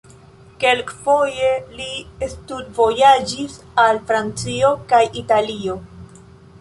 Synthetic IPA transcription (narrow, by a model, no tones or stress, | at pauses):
ke̞lkfo̞je̞liestudvo̞jad͡ʒis | alfɾant͡sio̞kajitalio̞